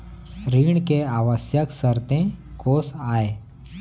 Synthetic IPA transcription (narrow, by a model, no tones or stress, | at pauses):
ɾiːɳkeaːʋəsjəksəɾt̪ẽkoːsaːe